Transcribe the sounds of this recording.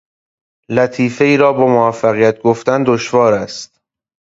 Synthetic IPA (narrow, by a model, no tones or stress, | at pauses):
læt̪ʰiːfe̞iːɾɒːbɒːmovæfːæɣijæt̪̚ɡoft̪ænd̪oʃvɒːɾæst̪